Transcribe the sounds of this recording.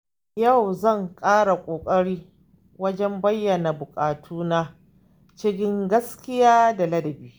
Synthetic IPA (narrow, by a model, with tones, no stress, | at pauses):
ja˦˨wzɐ˦˨ŋkʼaː˦ɽa˨kʷʼoː˨kʼɐ˦ɽiː˦ | wɐ˦d͡ʒɛ˦mbɐ˦jːɐ˨na˨bʊ˨kʼaː˨tʰuː˦na˦ | t͡ʃɪ˦kʲɪ˦ŋɡɐ˦skʲɪ˦jaː˦da˨lɐ˦dɐ˨biː˦